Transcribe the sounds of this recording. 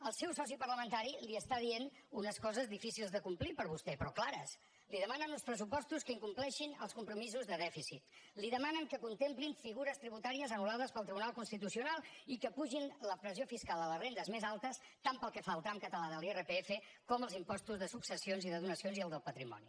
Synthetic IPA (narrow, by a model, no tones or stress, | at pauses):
əlˠsɛwsɔs̬ipəɾləmənt̪aɾiliəst̪aðienunəskɔzəzðifisilˠzðəkumplipəɾβust̪ɛpɾɔklaɾəs | liðəmanənunspɾəs̬upɔst̪uskəiŋkumplɛʃinəlˠskumpɾumizuzðəðɛfisit̪liðəmanəŋkəkunt̪empliɱfiɣuɾəst̪ɾiβut̪aɾiəzənulaðəspəlˠt̪ɾiβunalˠkunst̪it̪usiunalˠikəpuʒinləpɾəziofiskalˠələzrend̪əzmezalˠt̪əs | t̪ampəlˠkəfaəlˠt̪ɾamkət̪əlaðəlˠerəpeefə | kɔməlˠzimpɔst̪uzðəsuksəsionziðəðunəsionziəlˠd̪əlˠpət̪ɾimɔ̰ni